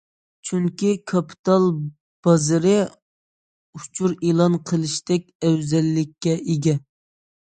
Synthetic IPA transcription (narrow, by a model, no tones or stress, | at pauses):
t͡ʃʰyŋkʲikʰɑpʰi̥t̪ʰɑlˠ | b̥ɑzɨɾɨ | ut͡ʃʰuɾelˠɑnqʰəlˠɨʃt̪ɛk̚ʲɛwzɛlːɪkʲːɛʔeɡʲɛ